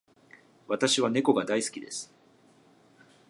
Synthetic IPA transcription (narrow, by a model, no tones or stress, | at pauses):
βat̪aɕiβ̞ane̞ko̞ɡad̪aisɨ̥kʲid̪e̞̰sɨ̥